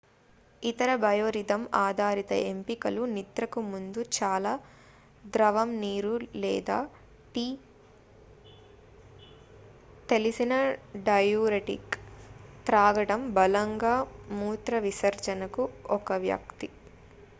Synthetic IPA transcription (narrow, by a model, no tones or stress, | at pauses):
it̪ɐɾɐbɐjoːɾid̪ɐmaːd̪ʱaːɾit̪ɐ̰ʔempikɐlunit̪ɾɐkumund̪ut͡ʃaːlaː | d̪ɾɐʋɐmniːɾulɛ̰ːd̪aː | ʈi | t̪e̞lisinɐɖɐjuːɾeʈḭk | t̪ɾaːɡɐɽɐmbɐlɐŋɡaːmuːt̪ɾɐʋisɐɾt͡ʃɐnɐkuɔkɐʋjɐ̰kt̪i